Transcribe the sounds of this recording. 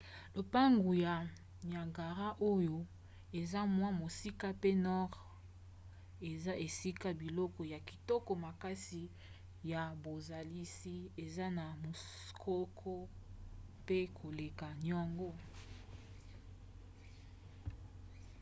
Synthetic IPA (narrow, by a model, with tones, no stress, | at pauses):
lo˨pa˦ŋɡu˨ja˨ | ɲ˨a˨ŋɡa˨ʁa˦ʔo˦jo˦ | e˨za˦mwa˦mo˨si˦ka˦pe˦nɔ˦ʁ | e˨za˦ʔe˨si˦ka˦bi˨lɔ˦kɔ˨ja˨ki̥˨tɔ˦kɔ˨ma˨ka˦si˨ | ja˨bo˨za˨li˦si˦e˨za˦na˨mo˨ | kʰɔ˦kʰɔ˦ | pe˦kʰo˨le˨ka˨njɔ˦ŋɡo˦